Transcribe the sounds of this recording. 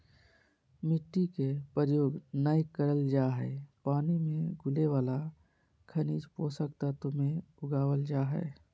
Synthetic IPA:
mɪʈːikepəɾjoːɡnaːjkəɾəld͡ʒaːɦɛːpaːnimẽɡʱʊleʋaːla | kʰəniːd͡ʒpoːsəkt̪at̪omẽʊɡaːʋəld͡ʒaːɦɛ̰

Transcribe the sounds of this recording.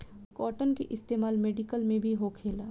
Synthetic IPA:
kɔːʈənkeʔɪst̪eːmaːlmeːɖɪkəlmẽbʱiɦokʰeːlaː

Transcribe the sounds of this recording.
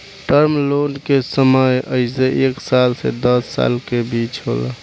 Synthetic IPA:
ʈəɾmlonkesəməjəɪseʔeksalsḛd̪əsːa̰lkebit͡ʃɦo̰la̰

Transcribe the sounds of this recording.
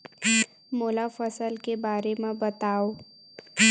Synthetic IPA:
moːlafəsəlkebaːɾemẽbət̪aːoː

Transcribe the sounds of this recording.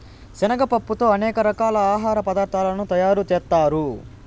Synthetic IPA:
sɛnɐɡɐpɐpːut̪o̞ːɐnɛːkɐɾɐkaːlɐaːɦaːɾɐpɐd̪aːɾt̪ʰaːlɐnut̪ɐjaːɾut͡ʃɛːt̪ːaːɾu

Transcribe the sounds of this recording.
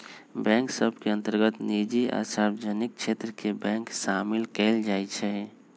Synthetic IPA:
bɛ̃ŋksəbʱkeə̃nt̪əɾɡət̪nid͡ʒia̰saɾbəd͡ʒanik̚t͡ʃʰet̪ɾəkebɛ̃ŋksamilkɛld͡ʒajt͡ʃʰɛ

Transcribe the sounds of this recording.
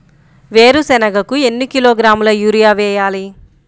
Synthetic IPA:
ʋe̞ːɾusɛnɐɡɐkue̞nːikiloːɡɾaːmulɐjuːɾijaːʋɛːjaːli

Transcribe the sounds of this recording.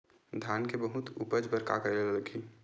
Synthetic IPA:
d̪ʱjaːnkebəɦʊt̪upəd͡ʒbəɾka̰kəɾelelləɡi

